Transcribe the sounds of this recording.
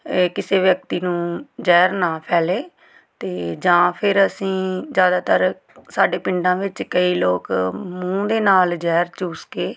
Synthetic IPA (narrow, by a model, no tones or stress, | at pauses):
kɪseːʋjək̚t̪iːnũːd͡ʒɛːɾnaːpʰɛːleː | t̪eːd͡ʒãːpʰɪɾəsĩːd͡ʒjaːd̪aːt̪əɾ | saːɖeːpɪ̃ɳɖãːʋɪt͡ʃkəiːloːkmũːd̪eːnaːld͡ʒɛːɾt͡ʃuːskeː